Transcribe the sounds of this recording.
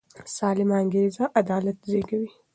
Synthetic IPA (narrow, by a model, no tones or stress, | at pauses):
saːlɪmaːŋɡeːzaʔɐd̪aːlɐt̪zeːɡɐwi